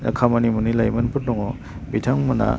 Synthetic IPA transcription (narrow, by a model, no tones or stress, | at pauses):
na̰kʰamanimunilajmanpʰɯɾtɔŋɔ | bitʰaŋmuna̰